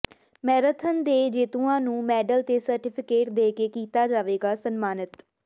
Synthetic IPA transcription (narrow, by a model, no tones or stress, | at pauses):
mɛːɾət̪ʰənd̪eːd͡ʒeːt̪ũːãːnũːmɛːɖəlt̪eːsəɾʈɪpʰɪkeːʈd̪eːkeːkiːt̪aːd͡ʒaːʋeːɡaːsənmaːnət̪